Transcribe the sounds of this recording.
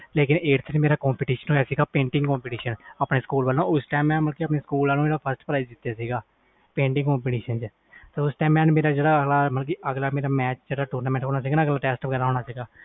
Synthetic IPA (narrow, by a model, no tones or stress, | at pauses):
leːkɪneːʈsʰənmeːɾaːkɔ̃ːmpiːʈiːʃənɦoːjaːsiːɡaːpẽːɳʈɪ̃ŋɡkɔːmpiːʈiːʃənaːpneːskuːlbəlːõːʊsʈaːmɛ̃ːməlkiːəpneːskuːlãːnũːmeːɽaːpʰəsʈpəɾaːid͡ʒd̪ɪt̪ːjaːsiːɡaː | pẽːɳʈɪ̃ŋɡkɔ̃ːmpiːʈiːʃənt͡ʃ | t̪eːʊsʈaːmɛ̃ːnmeːɾaːd͡ʒeːɽaːəɡlaːmət̪lk̬iːʔəɡlaːmeːɾaːmɛːt͡ʃd͡ʒeːɽaːʈuːɾnaːmɛ̃ːɳʈɦoːnaːs̬iːɡaːnəɡlaːʈɛːsʈpkəɾaːɦoːɳaːsiːɡaː